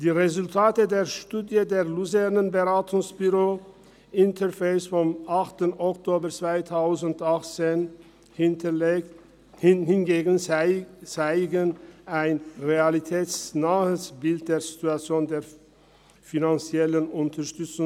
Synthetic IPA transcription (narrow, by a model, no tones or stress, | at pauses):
d̥iːʁezʊltʰaːtədeːɐʃtuːdjədeːɐluzɛʁnənbəʁaːtʰʊŋsb̥yʁoː | ʔɪntʰɐʁfeɪsfɔmʔaχtənɔktʰoːbɐt͡sv̥aɪtʰaʊzn̩tʔaχt͡seːn | hɪnɡeːɡn̩ | t͡saɪɡənaɪnʁealitʰɛːtsnaːəsb̥ɪlt̚d̥eːɐzituat͡sjoːndeːɐ | finant͡sjɛlənʊntʰɐɐʃtʏt͡sʊŋ